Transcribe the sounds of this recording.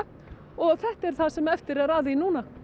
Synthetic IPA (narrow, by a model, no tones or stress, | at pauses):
ɔɣθɛht̪ɛɾ̥θasɛmɛft̪ɪɾɛɾaːwðɪinuːna